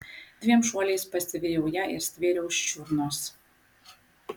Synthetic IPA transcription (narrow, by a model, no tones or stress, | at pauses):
d̪ʲʋʲiɛmʃuɔlʲeːspɐsʲɪʋʲejɛʊjɛʔɪ̰ɾsʲt̪ʲʋʲeːɾʲɛʊst͡ʃʲuɾnoːs